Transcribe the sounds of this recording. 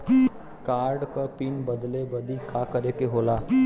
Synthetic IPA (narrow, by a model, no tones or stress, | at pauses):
kaːɾɖkəɾpiːnbəd̪lebəd̪ikaːkəɾekeɦoːlaː